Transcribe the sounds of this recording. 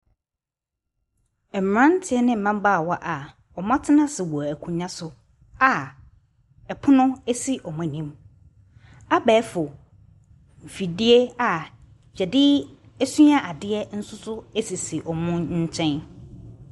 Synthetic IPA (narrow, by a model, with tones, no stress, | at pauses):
ɛ˨m˨ɾã˦n˦tʰɪ˨ɛ˦nɪ̃˦m̩˨mã˦m˦baː˦˨wɔ˦ʔa˨ | ɔ˨m˦ã˦tʰɪ˦nã˦sɪ˨wɔ˨æ˨kʰũ˨ɲã˦sʊ˨ | a˨ | ɛ˨pʰʊ˦nʊ̃˦e˦si˦ʔɔ˨mʊ̃˨nĩ˦m | a˦bɛː˨˦fʊ˨ | m̩˨fi˨di˦e˦a˨ | ɕɛ˨dɪ˦ | æ˦sũ˦a˦ʔa˨dɪ˦ɛ˦n̩˦sʊ˦sʊ˦e˦si˨si˨ʔɔ˨mʊ̃˦ɲ̩˦t͡ɕʰɛ̃˦n